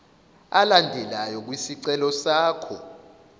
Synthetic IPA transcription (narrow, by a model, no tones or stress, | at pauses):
alandʱɛlajɔk̬wisiǀɛlɔsaːkʰɔ